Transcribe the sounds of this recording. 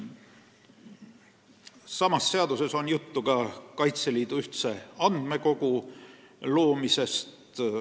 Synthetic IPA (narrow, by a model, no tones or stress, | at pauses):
sɑmɑsːe̞ɑd̪use̞so̞njut̪ːuɡ̥ɑkɑjt̪seliːd̪̥uyht̪se̞ɑnd̪̥me̞ko̞ɡ̥u | lo̞ːmise̞st̪